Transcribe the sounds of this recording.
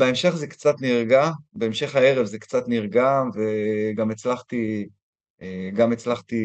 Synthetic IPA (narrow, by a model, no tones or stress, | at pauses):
beemʃe̞χzekt͡sat̪niʁɡabeemʃe̞χhae̞ʁevzekt͡sat̪niʁɡamveɡamet͡slaχt̪i | eɡamet͡slaχt̪i